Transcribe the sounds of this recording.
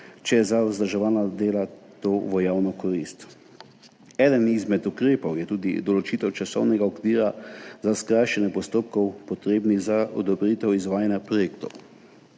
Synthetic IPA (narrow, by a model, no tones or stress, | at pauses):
t͡ʃɛjɛzauzd̪ɾʒɛʋaːnad̪eːlat̪oːʋɔjawnɔkɔɾist̪ | ɛːd̪ənizmɛt̪ukɾeːpɔwjɛt̪uːd̪ḭd̪ɔlɔt͡ʃit̪ɛwt͡ʃasɔwnɛɡaɔkʋiːɾazaskɾaːjʃɛnɛpɔst̪oːp̚kɔwpɔt̪ɾeːbniɣzaɔ̰d̪ɔbɾiːt̪ɛwizʋaːjanjapɾɔjeːkt̪ɔw